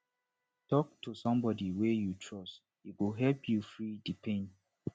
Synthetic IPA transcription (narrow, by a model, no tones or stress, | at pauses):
tɔk̚tʰusʌ̃mbɔdiwɛjutʰɹɔst | iwuɦɛlpʰjufɹidipʰẽn